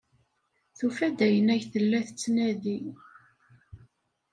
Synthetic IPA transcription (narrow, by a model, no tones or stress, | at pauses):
θufæd̪æjənæʝθəlːæθət͡sːnæði